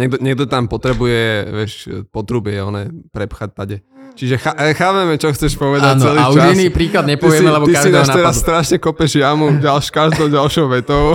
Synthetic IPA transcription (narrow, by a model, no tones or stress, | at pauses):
ɲɛɡ̚d̪ɔɲɛɡ̚d̪ɔt̪ampɔt̪ɾɛbujɛʋɪɛʃpɔt̪ɾubɪɛɔ̰nɛpɾɛpxac̚t̪aɟɛ | t͡ʃiʒɛxaʔxaːpɛmɛt͡ʃɔxt͡sɛʃpɔʋɛd̪ant͡sɛliːt͡ʃuainiːpɾiːklad̪ɲɛp̪ɔiʋɪɛimɛlɛbɔt̪isaʒdinɛaːɔt̪ɛɾasːt̪ɾaʃɲɛkɔpɛʒɪjamuɟalʃkaʒd̪ɔʊɟalʃɔʊʋɛt̪ɔʊ